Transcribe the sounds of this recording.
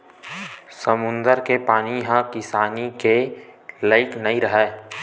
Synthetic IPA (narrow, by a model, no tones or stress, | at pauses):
səmʊ̃nd̪əɾkepaːniɦãkɪsaːnikeləɪknɐĩɾəɦɛː